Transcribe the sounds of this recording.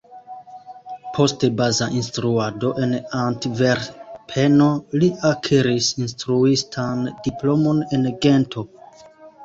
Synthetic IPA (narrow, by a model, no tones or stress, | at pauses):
pʰo̞stebazaʔinstɾuado̞ʔe̞nantveɾpʰe̞no̞liʔakʰeɾisinstɾuistʰandiplo̞mo̞ne̞nɡe̞ntʰo̞